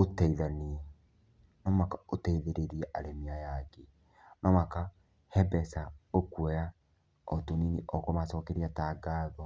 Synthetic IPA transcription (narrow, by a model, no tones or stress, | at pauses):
otɛiðaniɛ | nɔmakaotɛiðeɾeɾiɛʔaɾemiajaɡe | nɔmaka | hɛbɛsaokwɛja | ɔtoniniʔɔkɔmasɔːkɛɾiataɡaːðɔ